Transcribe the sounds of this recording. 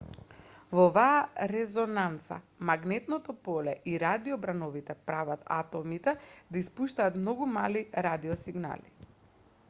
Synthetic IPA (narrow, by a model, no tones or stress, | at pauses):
vɔvaːɾɛzɔnant̪sa̰ | maɡnɛt̪nɔt̪ɔpɔlɛʔiɾad̪iɔbɾanɔvit̪ɛpɾavat̪a̰t̪ɔmit̪ɛd̪aispuʃt̪aːt̪mnɔɡumaliɾad̪iɔsiɡna̰li